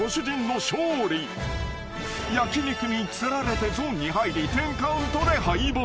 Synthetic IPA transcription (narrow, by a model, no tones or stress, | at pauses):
oɕɨd͡ʑĩnːo̞ɕoːɾʲi | jakʲiɲikɯmʲit͡sɨɾaɾe̞t̪e̞zoːɲ̟ːihaiɾʲit̪ẽ̞ŋkaɯ̃nt̪od̪e̞haibo